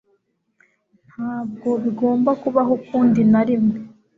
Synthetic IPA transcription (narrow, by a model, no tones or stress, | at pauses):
nhaːb̚ɡo̞βiɡo̞ːmbakuβaɦokuːndinaɾimwe